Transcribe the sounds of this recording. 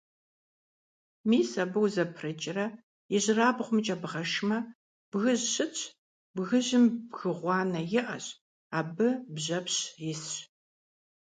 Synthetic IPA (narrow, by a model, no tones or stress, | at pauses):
miːsɐbɨwzɐpʰrɐt͡ʃʼɪrɐ | jɪʑɪraːbʁʷʊmt͡ʃʼɐbʁɐʃmɐ | b̥ɣɨʑɕɪt͡ɕʰʼ | bɣɨʑɪmbɣɨʁʷɑːnɐjɪʔɐ̰ɕ | aːbɨbʑɐpɕjɪsɕ